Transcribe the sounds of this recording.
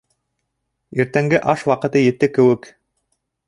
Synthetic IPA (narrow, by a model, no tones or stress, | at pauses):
iɾt̪æŋɡɘʔɑʃwɑqɤ̆t̪ɤjɘ̆t̪ːɘkɘ̆wɘk